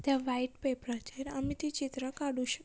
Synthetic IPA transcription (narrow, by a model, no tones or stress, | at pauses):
t̪jaʋaiʈpepɾat͡ʃeɾə̰mĩt̪ʰit͡ɕit̪ɾəkaɽuʃək